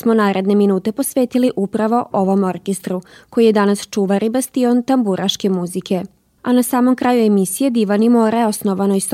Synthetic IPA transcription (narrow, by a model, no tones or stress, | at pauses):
smo̞naːɾe̞d̪ne̞minuːt̪e̞po̞sʋe̞ːt̪iliʔupɾaʋo̞ʔo̞ʋo̞mo̞ɾkest̪ɾuko̞jijed̪anast͡ʃuːʋaɾʔibast̪io̞nt̪ambuɾʔaʃke̞muzikʰe̞ | anasaːmo̞mkɾajue̞misije̞d̪iʋanimoɾeosno̞ʋanojst̪